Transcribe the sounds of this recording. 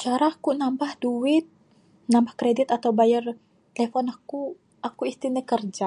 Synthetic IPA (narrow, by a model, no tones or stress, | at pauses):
t͡ʃaɾakunambahduwɪt̪̚ | nambahkɾedɪt̪at̪awbajər | t̪elefɔnaku | akuist̪inəkərd͡ʒa